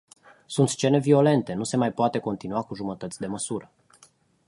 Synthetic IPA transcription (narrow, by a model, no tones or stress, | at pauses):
sunt̪st͡ʃe̞ne̞vio̞le̞nt̪e̞nuse̞majpoat̪e̞ko̞nt̪inuakuʒumət̪ət̪sʲd̪e̞məsuɾə